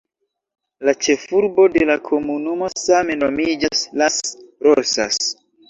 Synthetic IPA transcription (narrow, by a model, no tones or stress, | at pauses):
lat͡ʃe̞fuɾbo̞de̞lakʰo̞munumo̞same̞nomid͡ʒaslasɾosas